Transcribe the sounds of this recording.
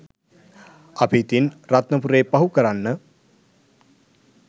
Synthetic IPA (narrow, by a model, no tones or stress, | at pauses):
apiːt̪inrat̪nəpuɾeːpaɦukəɾanːə